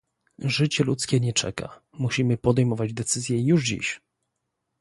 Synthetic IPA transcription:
ʐɘt͡ɕɛlut̪skʲɛɲɛt͡ʂɛ̰ka̰ | muɕimɘpɔd̪ɛjmɔvad͡ʑd̪ɛt̪sɘzʲjɛjuʐd͡ʑḭɕ

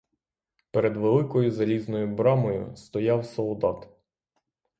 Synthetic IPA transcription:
peɾed̪ʋelˠɪkɔjʊzɐlʲiznɔjʊbɾɑmɔjʊ̰st̪ɔjɑwsɔlˠd̪ɑt̪

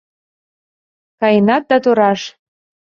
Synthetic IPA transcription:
kɑjənɑt̪̚d̪ɑt̪uɾɑʃ

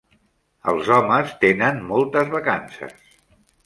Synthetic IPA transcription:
ə̰lˠzɔməst̪enənmɔlˠt̪əzβəkansə̰s

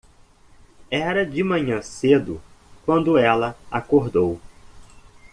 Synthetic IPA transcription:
ɛɾɐd͡ʒɪmɐ̃ɲɐ̃sed̪ʊ̰kwɐ̃nd̪ʊɛlɐakoɾd̪ow

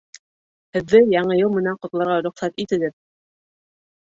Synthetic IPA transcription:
hɘ̆ðːɘjɑɴɤjɤlˠmɘ̆næɴqŏt̪lˠɑɾʁɑɾɵ̆χsæt̪it̪ɘ̆ɡɘð

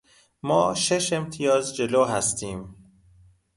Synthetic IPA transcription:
mɒːʃeʃe̞mt̪ʰijɒːzd͡ʒe̞loːɦæst̪ʰiːm

